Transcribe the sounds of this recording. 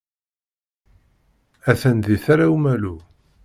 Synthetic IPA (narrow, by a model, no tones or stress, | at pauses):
æθænðiθaɾawmælu